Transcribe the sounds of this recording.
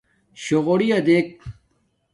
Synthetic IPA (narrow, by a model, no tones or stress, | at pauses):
ɕoʁoɽijɐd̪ek̚